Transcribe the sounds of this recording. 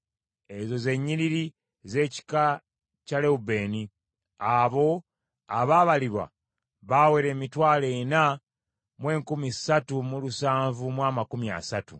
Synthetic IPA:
e̞zo̞ze̞ɲːiɾiɾi | ze̞ːci̥ka | cale̞ube̞ːni | aβo̞ | aβaːβaliβwa̰ | βawe̞ɾe̞ːmitwaːle̞na | mwe̞ːŋkumisatumulusaːɱvumwaːmakumia̰satṵ

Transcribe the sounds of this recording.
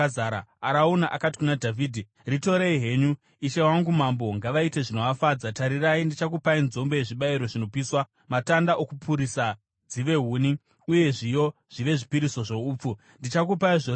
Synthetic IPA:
aːɾaaɾaunaʔakati̥kunadʱaviːdʱi | rito̞ɾeiɦe̞ːɲu | iʃe̞waŋɡumambo̞ŋɡaʋaite̞ʐino̞ʋafaːd͡zataɾiraindit͡ʃakupainzo̞mbo̞je̞ʐiɓaiɾo̞ʐino̞piːswa | matandaʔokupʰuɾisa | d͡ziʋe̞ɦuːni | uje̞ʐijo̞ʐ̥iʋe̞ʐipiɾiso̞ʐo̞uːp͡fu | ndit͡ʃakupaiʐo

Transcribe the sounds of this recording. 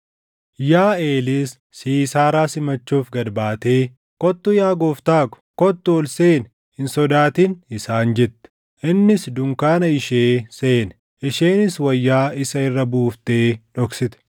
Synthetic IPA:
jaːeːlɪsːiːsaːɾaːsɪmɐt͡ʃːuːfɡɐd̪baːt̪eː | kɔt̪ːʊjaːɡoːft̪aːkʊ̥kɔt̪ːʊːlseːn | hɪnsɔd̪aːt̪iːnɪsaːnd͡ʒɛt̪ːɛ̥ | ʔɪnːɪsd̪ʊŋkaːnɐɪʃeːseːn | ɪʃe̞ːnɪswɐjːaːɪsɐɪrːɐbuːft̪e̞ːᶑɔksɪt̪ɛ̥

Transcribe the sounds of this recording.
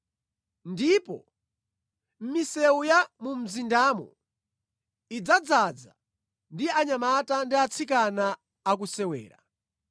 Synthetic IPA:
ndipɔ̰ | m̩misɛujamum̩zindamɔ̰ | id͡zad͡zad͡za | ndiaɲamatandiat͡sʰikanaː | k̬usɛwɛ̰ːɾa̰

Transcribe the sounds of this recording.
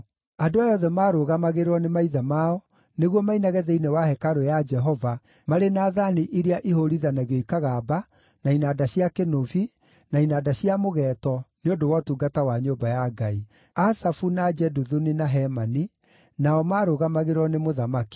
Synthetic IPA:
adoajɔðɛmaːɾoɣamaɣeɾwɔnemaiðamaɔ | neɣwɔmainaɣɛðɛinewahɛkaɾojad͡ʒɛɦɔva | maɾenaːðaniʔiɾeaʔiɦoɾiðanaɣjoikaɣaba | nainadaɕiakenovi | nainaːdaɕiamoɣɛːtɔneondowɔtuːɡatawaɲoːmbajaɡai | asafunad͡ʒɛduðuninaɦɛmani | naɔmaːɾoɣamaɣeɾɔnemoðamaki̥

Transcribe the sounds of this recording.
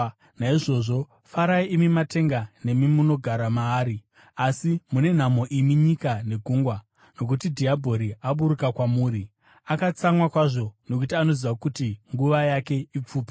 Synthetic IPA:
naiʐo̞ʐo̞ | faɾaiimimate̞ŋɡane̞mimuno̞ɡʱaɾamaːɾi | asimune̞n̤amo̞ʔimiɲikane̞ɡʱuːŋɡwa | no̞k̬utidʱiabʱo̞ɾiaɓuɾukakwamuːɾi | akat͡samwakwaʐo̞no̞k̬utiano̞ziʋakutiŋɡuʋajake̞ip͡fuːpi̥

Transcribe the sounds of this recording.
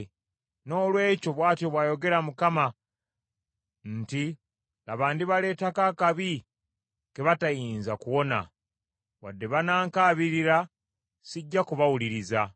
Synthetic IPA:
no̞ːlwe̞ːco̞βwaːtjo̞βwaːjo̞ɡe̞ɾamukama | nti | aβaːndiβale̞ːtakakaβi | keβatajiːnzakuwo̞na̰ | wadːe̞βanaːŋkaːβiɾiɾa | siɟːakuβawuliɾiza

